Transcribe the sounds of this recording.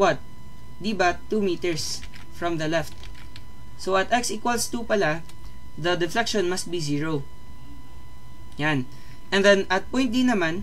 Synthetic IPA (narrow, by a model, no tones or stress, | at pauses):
wɐt̪̚ | d̪ibat̪ːuːmiːt̪ɛɹs | fɹɐmd̪ɐlɛft̪̚ | sowɐt̪ʔɛksikwɐlst̪upɐla | d̪ɐd̪ɛflɛkʃɔ̃nmɐst̪̚biziːɹo | jan | ʔɛ̃nd̪ɛnʔɐt̪̚pɔ̃j̃nt̪̚d̪ɪnːɐman